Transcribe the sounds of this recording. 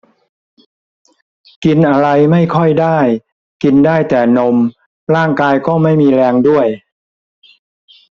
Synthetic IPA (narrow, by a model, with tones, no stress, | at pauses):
ki˧nʔa˧ɾa˧jma˥˩jkʰɔ˥˩jdaː˥˩j | ki˧ndaː˥˩jt̪ɛː˨˩no˧m | ɾaː˥˩ŋkaː˧jkɔː˥˩ma˥˩jmiː˧ɾɛː˧ŋdu˥˩əj